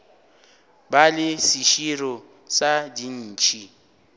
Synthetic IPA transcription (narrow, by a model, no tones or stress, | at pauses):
balɪsiʃiɾɔ | sadin̩ːt͡ʃʼi